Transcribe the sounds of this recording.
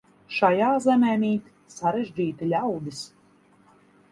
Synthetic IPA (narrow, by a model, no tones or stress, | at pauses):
ʃajaːzɛmʲɛːmʲiːt̪ | saɾeʒʲd͡ʒʲiːt̪ilʲawd̪is